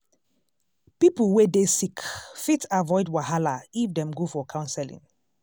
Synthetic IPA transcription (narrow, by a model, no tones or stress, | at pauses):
pipəl̩wedesikfitʰavɔɪdwaɦalaifdɛ̃mɡofɔkʰãʊ̃nsɛlḭ̃ŋ